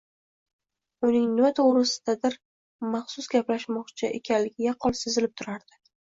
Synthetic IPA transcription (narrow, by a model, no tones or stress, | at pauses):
ʊnɪŋnɪmat̪ʰoʁɾɪsɪ̥d̪̥ad̪ɪɾ | mɑχsʊsɡʲaplaʃmɒqt͡ʃʰɪʔḛkʲʰanlɪɡʲɪjɑqʰɒlˠsezɪlɪp̚t̪ʰʊɾaɾd̪̥ɪ